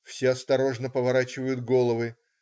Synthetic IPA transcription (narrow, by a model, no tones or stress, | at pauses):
fsʲeɐst̪ɐɾo̞ʐnəpəvɐɾat͡ɕɪvəjʊt̪̚ɡo̞lˠəvɨ